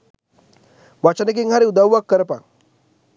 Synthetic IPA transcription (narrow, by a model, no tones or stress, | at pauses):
ʋat͡ɕanek̬iŋɡʱɦaɾiud̪awʋːakːəɾpa̰